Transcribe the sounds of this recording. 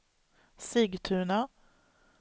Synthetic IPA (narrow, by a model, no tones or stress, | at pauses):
siːɡt̪ʰʉːɳa